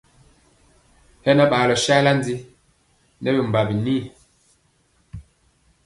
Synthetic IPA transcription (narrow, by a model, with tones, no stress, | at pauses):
hɛ˦na˦ɓaː˨lɔ˨ʃa˦la˦n˦di˦ | nɛ˦bi˨m̩˨ba˨bi˨ni˦˨